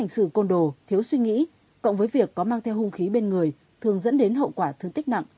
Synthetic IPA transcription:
a˨˩jŋ̟sɨ˧˩ko˧nɗo˨˩t̪ʰi˨˦əwswi˧ŋḭ˧˥ | kɔ̰˧˨wŋ͡mvəː˨˦jvi˨˩əkːɔ˨˦maː˧ŋt̪ʰɛ˧whʊ˧ŋ͡mxi˨˦ɓe˧nŋɨ˨˩əj | t̪ʰɨ˨˩əŋzə̰˧˥nɗe˨˦nɦə̰˧˨wkwaː˧˩t̪ʰɨ˧əŋt̪i˦˥k̚na̰˧˨ŋʔ

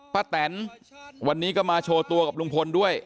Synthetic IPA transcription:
pʰaː˦˥˩t̪ɛː˩˦nwa˧nːiː˦˥kɔ˥˩maː˧t͡ɕʰoː˧t̪u˧ɐka˨˩p̚lu˧ŋpʰo˧ndu˥˩əj

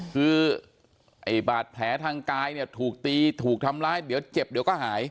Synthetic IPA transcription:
kʰɯː˧ | ʔa˨˩jbaː˨˩t̪̚pʰlɛː˩˦˥t̪ʰaː˧ŋkaː˧jni˥˩ɐt̪ʰuː˨˩k̚t̪iː˧t̪ʰuː˨˩k̚t̪ʰa˧mlaː˧jdi˨˩˦əwt͡ɕe˨˩p̚di˩˦əwkɔː˥˩ɦaː˩˦j

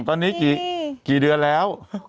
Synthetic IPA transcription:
ŋt̪ɔ˨˧˦ni˨˦kḭ˧˨t͡ɕḭ˧˨ɗɨ˧əlɛ˨˦w

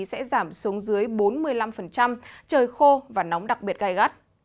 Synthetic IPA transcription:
sɛ̰˧˥zaː˧˩msu˨˦əŋzɨ˨˦əjɓo˨˦nmɨ˧əjla˧mfə˨˩nt͡ɕa˧mt͡ɕəː˧˩jxo˧vaː˨˩nɔ˨˦wŋ͡mɗa˨˩k̚ɓi˨˩ət̚ɣa˧jɣa˦˥t̚

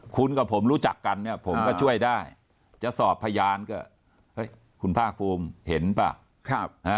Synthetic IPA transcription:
kʰu˧nka˨˩pʰo˩˦mɾuː˦˥t͡ɕa˨˩kːa˧nːi˥˩ɐpʰo˩˦mkkɔː˥˩t͡ɕʰu˥˩əjdaː˥˩j | t͡ɕa˨˩sɔː˨˩pʰːa˧jaː˧nkɔː˥˩ | hɤ˦˥˩j | kʰu˧npʰaː˥˩k̚pʰuː˧mhe˩˦npa̰˨˩ | k̚ʰha˦˥

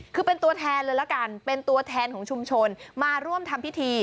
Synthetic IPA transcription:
kʰɯː˧pe˧nt̪u˧ɐt̪ʰɛː˧nlɾɤː˧jla˦˥ka˧npe˧nt̪u˧ɐt̪ʰɛː˧nkʰɔː˩˦ŋt͡ɕʰu˧mt͡ɕʰo˧nmaː˧ɾu˥˩əmt̪ʰa˧mpʰi˦˥t̪ʰiː˧

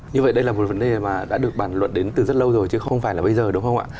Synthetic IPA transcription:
ɲɨ˧və̰˧˨jɗə˧jlaː˨˩mo˨˩t̚və˨˦nɗe˨˩maː˨˩ɗa̰ː˧˥ɗɨ˨˩ək̚ɓaː˧˩nlwə̰˧˨nɗe˨˦nt̪ɨ˨˩zə˦˥t̚lə˧wzo˨˩jt͡ɕɨ˨˦xə˧wŋ͡mfaː˧˩jlaː˨˩ɓə˧jzəː˨˩ɗʊ˨˦ŋ͡mhə˧wŋ͡mʔa̰ː˧˨

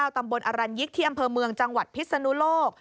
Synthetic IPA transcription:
aː˧wt̪a˧mbo˧nʔa˧ɾa˧nji˦˥k̚t̪ʰiː˥˩ʔa˧mpʰɤː˧mɯ˧əŋt͡ɕa˧ŋwa˨˩t̪̚pʰi˦˥t̪̚sa˧nu˦˥loː˥˩k̚

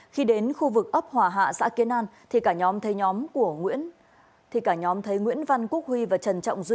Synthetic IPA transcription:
xi˧ɗe˨˦nxu˧vɨ˨˩k̚ʔə˦˥p̚hwaː˨˩ɦa̰ː˧˨sa̰ː˧˥ki˨˦ənʔaː˧nt̪ʰi˨˩kaː˧˩ɲɔ˨˦mt̪ʰə˨˦jɲɔ˨˦mku˧˩əŋwḭ˧˥ən | t̪ʰi˨˩kaː˧˩ɲɔ˨˦mt̪ʰə˨˦jŋwḭ˧˥ənva˧nku˦˥ək̚hwi˧vaː˨˩t͡ɕə˨˩nt͡ɕɔ̰˧˨wŋ͡mzi˧

